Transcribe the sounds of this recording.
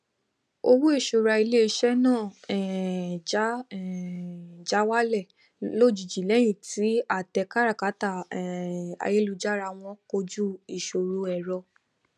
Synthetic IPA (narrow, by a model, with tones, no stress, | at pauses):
o˧wu˦e˦˨ʃo˧ɾa˧i˧le˦i˧ʃɛ˦nãː˦˨ɛ˨d͡ʒa˦˨ | d͡ʒa˨˦wa˦lɛ˦˨ | lo˦˨d͡ʒi˨d͡ʒi˨lɛ˨˦j̃ĩ˦˨ti˨˦a˦˨tɛ˧ka˦ɾa˦˨ka˨˦ta˦˨a̰˨˧je˦lu˨˧d͡ʒa˦ɾa˧w̃ɔ̃˧˦ko˧d͡ʒu˦i˨ʃo˨ɾu˧ɛ˨ɾɔ˧